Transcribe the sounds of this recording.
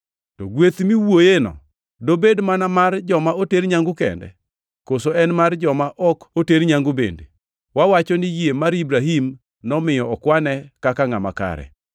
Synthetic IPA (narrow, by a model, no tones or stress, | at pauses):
tɔɡwet̪miwojenɔ̰ | dobedmanamard͡ʒɔmaoteɾɲaŋɡʊkɛ̰ndɛ̰ | kosoɛnmard͡ʒɔmaʔɔkoteɾɲaŋɡʊbḛndḛ | wawat͡ʃɔnɪjemaɾibɾaɦim | nɔmɪjɔːkwanɛkakaŋama̰ka̰ɾɛ̰